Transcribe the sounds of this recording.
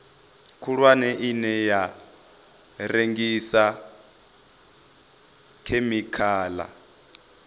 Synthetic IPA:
kʰuɺwanɛʔinɛja | reŋɡisa | kʰemikʰaːla̰

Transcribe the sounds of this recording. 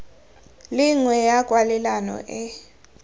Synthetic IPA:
liŋwɛjaɡ̥ʱʼwalɛlanɔ̰ʔɛ

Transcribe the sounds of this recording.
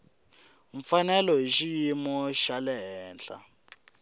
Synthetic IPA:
ɱ̩fanɛlɔɦiʃijimɔʃalɛɦɛːnt͡ɬa̰

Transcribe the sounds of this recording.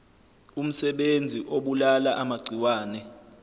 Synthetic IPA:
um̩sɛɓend͡zʱiʔoɓulalaʔamaɡ͡ǀʱiwaːnɛ

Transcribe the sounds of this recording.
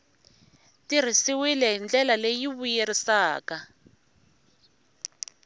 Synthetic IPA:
tir̤isiwilɛɦind͡ɮɛlalejiβujeɾisaːka

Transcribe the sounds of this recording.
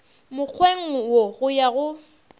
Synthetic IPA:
mʊk͡xʰweŋ̩woɣʊjaɣʊ

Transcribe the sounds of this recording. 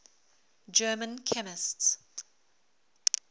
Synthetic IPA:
d͡ʒɜːmə̃nkʰɛmɪsts

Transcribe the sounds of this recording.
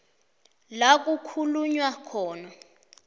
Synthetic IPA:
lak̬ʼukʰuluɲwakʰɔːna

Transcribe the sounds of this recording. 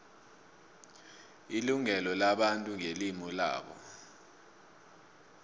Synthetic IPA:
iluŋɛlɔlaɓantʼuŋelimula̰ːɓɔ̰

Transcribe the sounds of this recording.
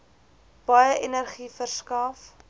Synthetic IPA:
b̥ɐjəʔenərχifərskɐf

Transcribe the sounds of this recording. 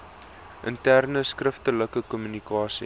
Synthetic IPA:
ʔəntærnəskrəftələkəkɔmynikɑːsi

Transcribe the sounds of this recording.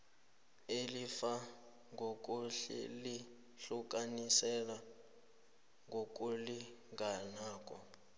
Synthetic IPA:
elifa | ŋɡʱokʼuɬɛ̰li | ɬuk̬ʼanisɛla | ŋɡʱok̬ʼuliŋɡʱanaːk̬ʼɔ

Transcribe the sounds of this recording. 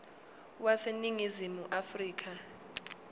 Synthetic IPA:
waseniŋizimuʔafriːk̬ʰʼa

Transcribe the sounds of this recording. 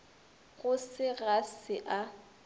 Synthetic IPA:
ɣʊsɪɣasɪʔa

